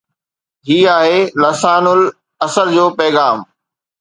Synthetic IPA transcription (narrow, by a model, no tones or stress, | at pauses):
ɦiːaːɦeːlɐsaːnʊl | ɐsəld͡ʑoːpɐːɣaːm